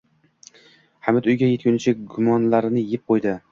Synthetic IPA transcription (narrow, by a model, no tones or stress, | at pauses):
hamɪt̪ʊjɡʲaje̞t̪̚kʲʊnɪt͡ʃʰɪɡʊmɒnlaɾnɪjɪp̚qʰojd̪ɪ